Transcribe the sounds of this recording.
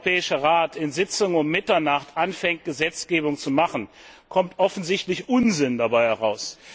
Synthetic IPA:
pɛːɪʃəʁaːtɪnzɪt͡sʊŋʊmmɪtɐnaχtʔanfɛŋt̚ɡ̥əzɛt͡sɡ̥eːbʊŋt͡sumaχn̩ | kʰɔmtʔɔfn̩zɪçtlɪçʔʊnzɪndabaɪhɛʁaʊs

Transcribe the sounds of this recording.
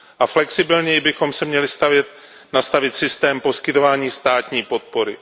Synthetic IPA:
ʔaflɛksɪbɪlɲɛjɪbɪxo̞msɛmɲɛlɪst̪avjɛt̪ | nast̪avɪt̪sɪst̪ɛːmpo̞skɪt̪o̞vaːɲiːst̪aːt̪ɲiːpo̞t̪̚po̞ɾɪ

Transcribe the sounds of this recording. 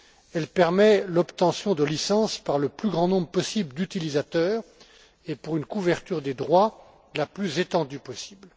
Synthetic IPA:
ɛlpɛʁmɛlɔpt̪ɑ̃sjɔ̃d̪əlisɑ̃spaʁləplyɡʁɑ̃nɔ̃bʁəpɔsibləd̪yt̪ilizat̪œːʁ | epuʁynkuvɛʁt̪yʁd̪ed̪ʁwa | laplyzet̪ɑ̃d̪ypɔsi̥bl

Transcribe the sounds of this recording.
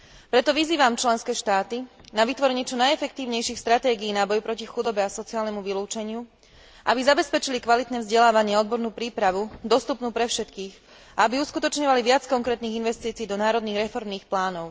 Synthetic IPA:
pɾɛt̪ɔʋiziːʋamt͡ʃlɛnskɛːʃt̪aːt̪inaʋit̪ʋɔɾɛɲɪɛt͡ʃɔnajɛfɛk̚t̪iːʊɲɛjʃiːxst̪ɾat̪ɛːɡiːnabɔjpɾɔcixud̪ɔbɛasɔt͡siɪaːlnɛmuʋiluːt͡ʃɛɲɪu | ʔa̰bizabɛspɛt͡ʃilikʋalit̪nɛːvzɟɛlaːʋaɲɪɛɔd̪̚bɔɾnuːpɾiːpɾaʋud̪ɔst̪upnuːpɾɛfʃɛt̪kiːɣ | aabiuskut̪ɔt͡ʃɲɔʋaliʋɪat͡skɔŋkɾɛːt̪niːɣinʋɛst̪iːt͡siːd̪ɔnaːɾɔd̪niːɣɾɛfɔɾmniːxplaːnɔʊ

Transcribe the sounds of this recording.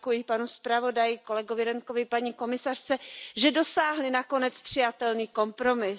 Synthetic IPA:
kujɪpanuspɾavo̞dajɪko̞lɛɡo̞vɪɾɛŋko̞vɪpaɲiko̞mɪsar̝̥t͡sɛʒɛdo̞saːɦlɪnako̞nɛt͡spr̥ɪjat̪ɛlniːko̞mpɾo̞mɪ

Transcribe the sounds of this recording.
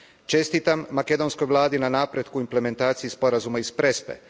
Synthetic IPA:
t͡ʃe̞st̪it̪amːake̞d̪o̞nsko̞jʋlˠaːd̪inanaːpɾe̞t̪kuimple̞me̞nt̪aːt̪sijispo̞ɾazumaispɾe̞spḛ

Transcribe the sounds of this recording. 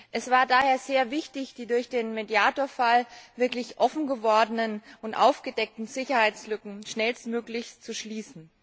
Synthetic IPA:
ʔɛsv̥aːɐdaːheːɐzeːɐvɪçtɪçd̥iːdʊɐçd̥eːnmedjaːtoːɐfalvɪɐklɪçʔɔfn̩ɡəvɔɐdənənʊntʔa̰ʊfɡ̥ədɛk̚tn̩zɪçɐhaɪt͡slʏkŋ̩ʃnɛlstmøːklɪçt͡suʃliːsn̩

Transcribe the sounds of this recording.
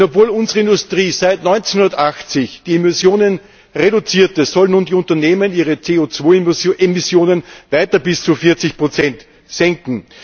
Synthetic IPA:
ɔpvoːlʊnzəʁəɪndʊstʁiːzæɪtnɔʏnt͡senhʊndɐtaxt͡sɪçd̥iːemɪsjoːnən | ʁedʊt͡siːɐtəzɔlənuːndiːʊntɐneːməniːʁət͡seːot͡svoːemɪsjoːnənvaɪtɐbɪst͡sufɪɐt͡sɪçpʁ̥ot͡sɛnt | z̥ɛŋkŋ̩

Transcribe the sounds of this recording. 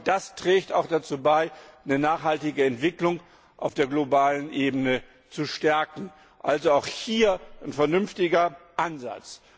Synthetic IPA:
d̥astʁ̥ɛːçtaʊxd̥at͡suːbaɪnənaːχhaltɪɡəɛntv̥ɪklʊŋ | ʔa̰ʊfd̥eːɐɡlobaːlənʔeːbənə | t͡suʃtɛɐkŋ̩ | ʔalzoaʊxhiːɐnfɛɐnʏnftɪɡɐʔanza̰t͡s

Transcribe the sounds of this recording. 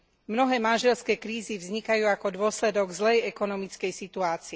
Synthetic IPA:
mnɔɦɛːmanʒɛlskɛːkɾiːzivzɲikajuːakɔd̪ʊɔslɛd̪ɔɡzlɛjɛkɔnɔmit͡skɛjsit̪uaːt͡siɛ

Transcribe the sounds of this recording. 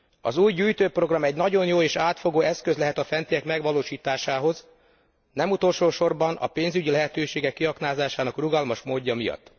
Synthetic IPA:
ɒ̰zuːjɟyːjt̪øːpro̞ɡrɒmɛɟnɒɟo̞njoːeːʃaːt̪fo̞ɡoːɛskøzlɛɦɛt̪ɒfɛnt̪ijɛkmɛɡʋɒloːʃiːt̪aːʃaːɦo̞z | nɛmut̪o̞lʃoːʃo̞rbɒnɒ̰peːnzyɟilɛɦɛt̪øːʃeːɡɛkːiɦɒknaːzaːʃaːnɒkruɡɒlmɒʃmoːɟːɒmijɒ̰t̪ː

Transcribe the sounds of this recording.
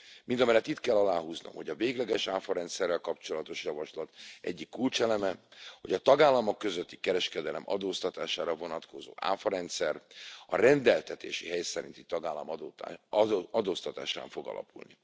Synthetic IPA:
mind̪ɒmɛjlːɛt̪ːit̪kɛlːɒlaːɦuːzno̰mho̞ɟɒveːɡlɛɡɛʃaːfɒɾɛnt̪sɛrːɛlkɒpt͡ʃo̞lɒt̪o̞ʃjɒvɒʃlɒt̪ɛ̰ɟːikːult͡ʃɛlɛmɛho̞ɟɒt̪ɒɡaːlːɒmo̞kːøzøt̪ːi̥kɛɾɛʃkɛd̪ɛlɛmɒ̰d̪oːst̪ɒt̪aːʃaːɾɒvo̞nɒt̪ko̞zo̰ːʔa̰ːfɒɾɛnt̪sɛrɒrɛnd̪ɛlt̪ɛt̪ḛːʃiɦɛjsɛɾḭnt̪it̪ɒɡaːlːɒmː | ɒd̪oːst̪ɒt̪a̰ːʃa̰ːɱfo̞ɡɒ̰lɒ̰pulnḭ

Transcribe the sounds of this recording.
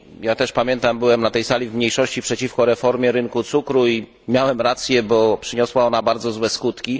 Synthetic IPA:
jat̪ɛʂpamʲjɛnt̪ambɘwɛmnat̪ɛjsalʲivmɲejʂɔɕt͡ɕipʂɛt͡ɕifkɔɾɛfɔɾmʲjɛɾɘnkut̪sukɾui | mʲjawɛmɾat̪sʲjɛbɔpʂɘɲɔswaɔnabaɾd̪zɔzwɛskut̪kʲi

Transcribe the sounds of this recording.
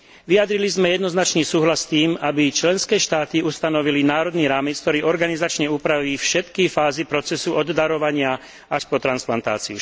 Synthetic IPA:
ʋijad̪ɾilizmɛjɛd̪nɔznat͡ʃniːsuːɦlast̪iːmabit͡ʃlɛnskɛːʃt̪aːt̪iʔust̪anɔʋilinaːɾɔd̪niːɾaːmɛt͡sk̚t̪ɔɾiːɔɾɡanizat͡ʃɲɛuːpɾaʋiːfʃɛt̪kifaːzipɾɔt͡sɛsuʔɔd̪d̪aɾɔʋaɲɪa | aʃpɔt̪ɾansplant̪a̰ːt͡siu

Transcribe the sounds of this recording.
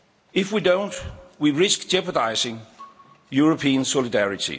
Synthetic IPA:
ɪfwidõʊ̃ntwiɹɪsk̚d̥d͡ʒ̥ɛpədaɪzɪ̃ŋ | juɹəpʰĩə̃nsɔlˠɪdæɹɪtḭ

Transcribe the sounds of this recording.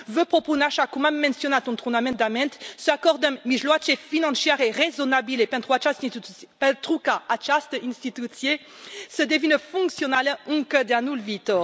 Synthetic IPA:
vøpχopunaʃakũmamːɛ̃nsjonat̪ɔ̃nt̪ʁunamɛ̃n̚d̪amɛ̃nt̪səakɔʁd̪ə̃miʒlwat͡ʃefinɑ̃sjɛʁeʁezɔnabilepɛ̃nt̪ʁwat͡ʃasipɛ̃t̪ʁukaat͡ʃast̪əĩnst̪it̪usje | səd̪evinəfɔ̃ŋksjɔnalɔ̃kəd̪ɛ̃nulvit̪ɔʁ

